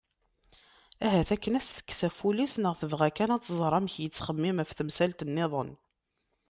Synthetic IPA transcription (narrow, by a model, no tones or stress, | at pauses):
æɦæθækːənæsθə̥kːsæfulisnəʁθəvʁækænæt͡sːzˤɾˤɑmçjət͡sːχəmːɪmæfθəmsælt̪ənːɪðˤən